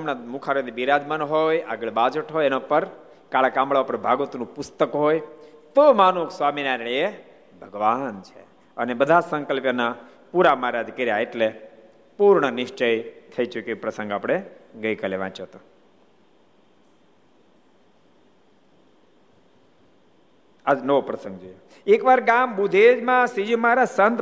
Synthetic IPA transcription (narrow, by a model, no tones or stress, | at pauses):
əmnamukʰaɾod̪ibiɾad̪mənɦoja̰ɡəɭbad͡ʒəʈɦojenapəɾ | kaɭakãmɭaʋapəɾbʱaɡot̪nũpʊst̪əkɦojt̪omanuksʋaminaɾɭ̃ie | bʱəɡʋant͡ʃʰḛ | ənebəd̪ʱasəŋkəlpjəna | puɾamaɾad̪ʱkəɾjaeʈle | puɾɳənɪʃt͡ʃəjt̪ʰəit͡ʃukipɾəsə̃ŋɡapɽ̃eɡəjkəleʋã̰t͡ʃət̪õ | ad͡ʒnəʋopɾəsə̃ŋɡd͡ʒojo | ekʋaɾɡambud̪ʱed͡ʒmãsid͡ʒũmaɾasənt̪